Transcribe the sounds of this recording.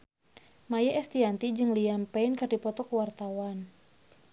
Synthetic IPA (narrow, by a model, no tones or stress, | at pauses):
majɛʔɛst̪iant̪id͡ʒɨŋliampɛɪnkardipɔt̪ɔkəwart̪awan